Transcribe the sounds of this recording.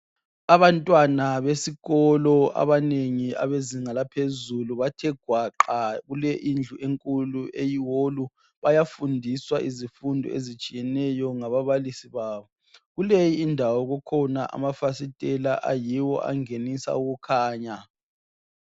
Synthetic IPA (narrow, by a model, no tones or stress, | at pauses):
aβantʼwanaβesiɣɔlɔa̰βaneŋia̰βeziŋalapʰezuluβatʰɛɡ̥ʱwaǃaɣulɛʔind͡ɮʱuʔeŋkʼuluʔejiwolu | βajafundʱiswaʔizifundʱɔ̰ḛzit͡ʃʼijɛnɛjɔŋaβaβalisiβaːβɔ | ɣulejiːndʱawɔɣɔkʰɔnaʔa̰mafasitʼɛlaʔa̰jiwɔ̰ʔa̰ŋenisa̰uɣukʰaːɲa